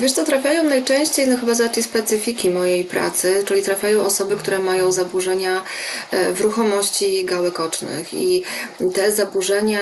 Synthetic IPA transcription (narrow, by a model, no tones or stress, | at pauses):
vʲeʂt̪sɔt̪ɾafʲjajɔ̃w̃najt͡ʂɛ̃w̃ɕt͡ɕejnɔxɘbazat̪ijspɛt̪sɘfʲikʲimɔjejpɾa̰t̪sɘt͡ʂɘlʲit̪ɾafʲjajɔ̃w̃ʔɔsɔbɘkt̪uɾɛmajɔ̃w̃zabuʐɛɲa | vɾuxɔmɔɕt͡ɕiɡawɛkɔt͡ʂnɘ̰xḭt̪ɛzabuʐɛɲa